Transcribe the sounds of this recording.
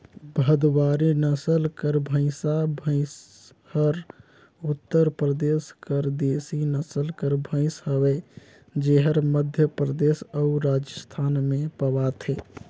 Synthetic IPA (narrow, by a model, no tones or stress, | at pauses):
bʱəd̪waɾinəsəlkəɾbʱə̃ɪ̃sabʱə̃ɪ̃s | həɾ | ut̪ːəɾpɾəd̪eskəɾd̪esinəsəlkəɾbʱə̃ɪ̃sɦəbɛ | d͡ʒeɦəɾməd̪ʱjəpɾəd̪esəuɾad͡ʒəst̪ʰanmẽpəbat̪ʰe